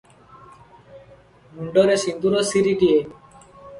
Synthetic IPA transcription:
muɳɖɔɾesind̪uɾosiɾiʈie

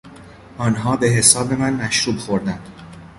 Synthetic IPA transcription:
ʔɒːnɦɒːbe̞ɦe̞sɒːbe̞mænmæʃɾuːbxo̞ɾd̪ænd̪̥

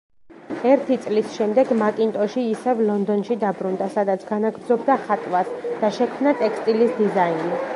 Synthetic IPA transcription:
ɛɾt̪ʰit̪sʼlisʃɛmd̪ɛɡmakʼint̪ʼɔʃiːsɛvlɔnd̪ɔnʃid̪abɾund̪asad̪at̪sʰɡ̥anaɡɾd̪zɔbd̪aχat̪ʼwasd̪̥aʃɛkʰmnat̪ʼɛkst̪ʼilisd̪izaini

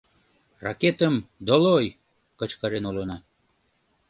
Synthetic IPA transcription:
rɑ̰ket̪əmd̪oloj | kə̆t͡ɕkɑɾenulonɑ

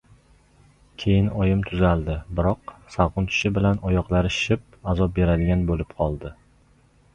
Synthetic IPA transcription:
kʲʰe̞jɪnɒjɪmt̪ʰʊzalˠd̪ɪbɪɾɒqsaʁʊnt̪ʰɪ̥ʃɪbɪlanɒjɒqlˠaɾɪʃɪp̚azɒp̚be̞ɾad̪ɪɡʲanbolɪpqʰɒlˠd̪ɪ

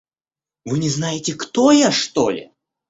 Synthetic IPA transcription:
vɨnʲɪznajɪtʲɪkt̪ojaʂt̪olʲɪ̰

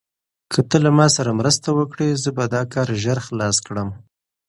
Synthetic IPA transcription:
kʰət̪əlamɑsaɾamɾəst̪awəkɽezəbad̪ɑkɑɾʒaɾxlɑskɽəm

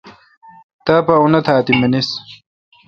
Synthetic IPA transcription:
t̪apɐunɐt̪ʰaːt̪imɐnis

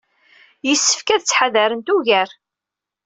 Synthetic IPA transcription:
jəsːə̥fkæðt͡sːħaðæɾənt̪uʝæɾ

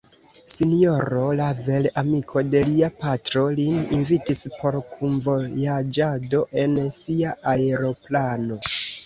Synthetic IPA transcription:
sinio̞ɾo̞lavelamikʰo̞de̞liapatɾo̞lininvitispo̞ɾkʰunvo̞jad͡ʒadoʔe̞nsiaʔaeɾo̞plano̞

